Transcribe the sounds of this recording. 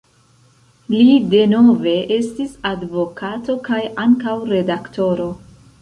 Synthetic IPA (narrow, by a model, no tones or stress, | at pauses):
lide̞no̞ve̞ʔe̞stisadvo̞kʰato̞kajaŋkawɾe̞dakto̞ɾo̞